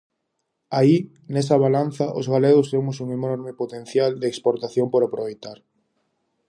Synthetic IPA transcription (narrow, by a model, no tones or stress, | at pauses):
ai | nɛsɐβ̞alan̟θɐʔozɣaleɣʊst̪emʊsuŋenɔɾmɪpot̪en̟θjald̪eːkspoɾt̪aθjompoɾapɾoβejt̪aɾ